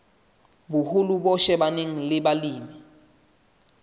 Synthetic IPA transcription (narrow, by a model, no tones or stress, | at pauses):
bʊhulubɔʃɛbaneŋ̩lɪbaliːmi